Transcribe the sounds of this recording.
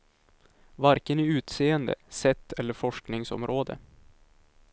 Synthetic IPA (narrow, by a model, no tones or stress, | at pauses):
vaɾkənæʉ̟ːt̪seːənd̪ə̰sɛt̪ʰːɛlːəɾfɔʂknɪŋsɔ̰mɾoːd̪ə̰